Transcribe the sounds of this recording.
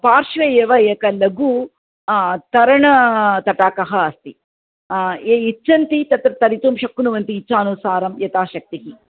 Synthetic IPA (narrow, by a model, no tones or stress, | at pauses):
paːɾʃʋɐeːʋɐjɐkɐlɐɡu | t̪ɐɾɐɳɐt̪ɐʈaːkɐɦɐɐst̪i | eːit͡ʃːt͡ʃːɐnt̪it̪ɐt̪ɾɐt̪ɐɾit̪umʃɐkːunuʋɐnt̪iːt͡ʃːaːnusaːɾɐmjɐt̪aːʃɐk̚t̪iɦi